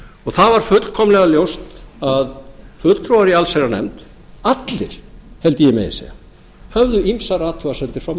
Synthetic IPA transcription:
ɔɣθavaɾ̥fʏt̪kʰɔmlɛɣaljowst̪aðfʏl̥t̪ʰɾowaɾialseɾanɛ̰mt̪ | at̪lɪɾ̥hɛlt̪ɪjɛmḛjɪ̰sḛja̰ | hœvðʏimsaraːt̪ʰɔasɛnt̪ɪɾ̥fɾam

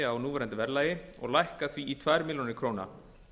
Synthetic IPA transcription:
awnuːvɛɾɛnt̪ɪvɛɾlaːjɪɔ̰ɣlajhkaθviːt̪ʰvaːjɾmiljɔnɪkʰɾoːwna̰

